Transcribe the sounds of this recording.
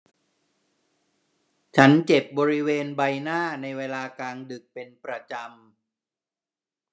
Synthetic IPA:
t͡ɕʰa˦˥nt͡ɕe˨˩p̚bɔː˧ɾi˦˥weː˧nba˧jnaː˥˩na˧jweː˧laː˧kaː˧ŋdɯ˨˩k̚pe˧npɾa˧t͡ɕa˧m

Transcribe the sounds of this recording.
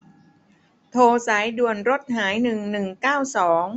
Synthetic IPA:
t̪ʰoː˧sa˩˦jdu˨˩ənɾo˦˥t̪̚haː˩˦jnɯ˨˩ŋnɯ˨˩ŋkaː˥˩wsɔː˩˦ŋ

